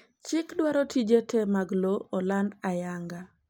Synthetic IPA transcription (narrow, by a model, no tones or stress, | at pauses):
t͡ʃɪkdwaɾɔtʰid͡ʒetʰemaɡloɔlandajaŋɡa